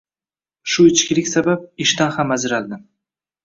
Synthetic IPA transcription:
ʃʊɪt͡ʃkʲɪlɪkʲsabap̚ɪʃt̪anhamazɪɾalˠd̪ɪ

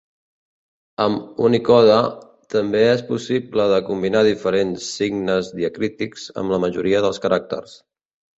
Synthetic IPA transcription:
əmunikɔðə | t̪əmbeespusipləðəkumbinaðifəɾensːiɡnəzðiəkɾit̪ikz̥ə̰mləməʒuɾiəðəlˠskəɾʔak̚t̪ə̰rs

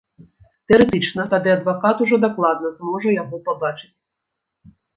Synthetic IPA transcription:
t̪ɛɛɾɛt̪ɨt͡ʂnɐt̪ad̪ɨɐd̪vakat̪uʐɔd̪aklˠad̪nɐzmɔʐɐjaɣɔpabat͡ʂɨ̥t͡sʲ

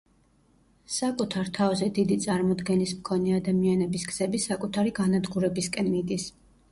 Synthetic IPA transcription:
sakʼut̪ʰaɾt̪ʰavzɛd̪id̪it̪sʼaɾmɔd̪ɡɛnismkʰɔnɛad̪amianɛbisɡz̥ɛbisakʼut̪ʰaɾiɡanad̪ɡuɾɛbiskʼɛnmid̪is

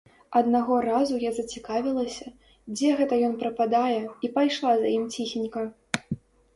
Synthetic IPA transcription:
ɐd̪naɣɔrazujazɐt͡sʲikavʲilˠɐsʲɐ | d͡zʲɛɣɛt̪ɐjɔnpɾɐpad̪ajɛipajʂlˠazajimt͡sʲixʲinʲkɐ

